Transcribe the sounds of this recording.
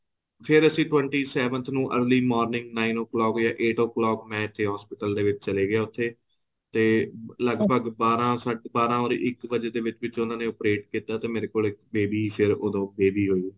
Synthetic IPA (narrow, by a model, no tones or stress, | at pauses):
pʰɪɾəsĩːʈwɛ̃ɳʈiːsɛːʋə̃nt̪ʰnũːʔə̰ːɾliːmɔːɾnɪ̃ŋɡnaːinoːklɔːkjaːʔeːʈoːklɔːkmɛ̃ːɪt̪ʰːeːɦɔːspɪʈəld̪eːʋɪt͡ʃt͡ʃəleːɡɪjaːʊt̪ʰːeː | t̪eːləɡbəɡbaːɾãːsəʈbaːɾãːoːɾɪkbəd͡ʒeːd̪eːʋɪt͡ʃʋɪt͡ʃʊnãːnẽːopɾeːʈkiːt̪aːt̪eːmeːɾeːkoːlɪkbeːbiːpʰɪɾod̪õːbeːbiːɦoːiː